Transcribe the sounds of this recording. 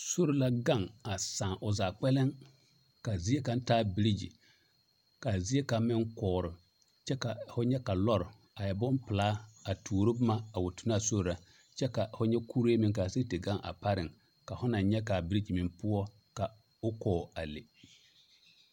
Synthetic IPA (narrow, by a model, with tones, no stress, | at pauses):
so˦ɾɪ˨la˦ɡa˦˨ŋa˨saː˨ŋʔʊ˨zaː˨k͡pɛ˦lɪ˦ŋ | ka˨zi˦e˦ka˨n˦taː˦bɪ˦ɾi˦d͡ʒḭ˨ | ka˨zi˦e˦ka˨mɪ˦ŋkɔː˨ɾɪ˨ | t͡ʃɛ˦ka˨fʊ˦ɲɛ˦ka˨lɔ˦ɾʊ˨ | a˨ja˨bɔ˦m˦pɪ˨laː˦a˨tʰuː˨ɾɪ˦bʊ˦ma˦a˨wʊ˨tʊ˨na˦˨so˦ɾʊ˨la˨ | t͡ʃɛ˦ka˨hʊ˦ɲɛ˦ku˦ɾe˦mɪ˨ŋka˨se˦te˨ɡa˦˨ŋʔa̰˨pa˦ɾɪ˨ŋ | ka˨fʊ˦na˨nɲɛ˦ka˨bi˦ɾi˦d͡ʒi˨mɪ˨mpʊ˦ɔ˦ | ka˨ | ʊ˦kɔː˨a˨le˨